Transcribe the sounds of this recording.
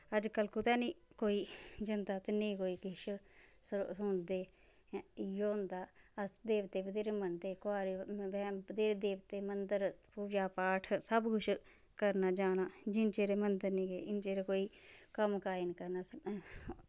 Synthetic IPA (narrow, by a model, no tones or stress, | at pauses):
əd͡ʒkəlkʊt̪ɛːniːkoːiːd͡ʒənt̪aːt̪ɪnĩːkoːiːkɪʃssʊnd̪eː | joːnd̪aːəsd̪eːʋt̪ːeːbəd̪eːɾmənd̪eːkoaːɾibɛːpəd̪eːɾd̪eːʋət̪eːmənd̪əɾpuːd͡ʒaːpaːʈʰsəbɡʊʃ | kəɾnaːd͡ʒaːnaːd͡ʒɪnt͡ʃeːɾeːmənd̪əɾnĩːɡeːɪnt͡ʃeːɾeːkoːiːkəmkaːinkəɾnaːs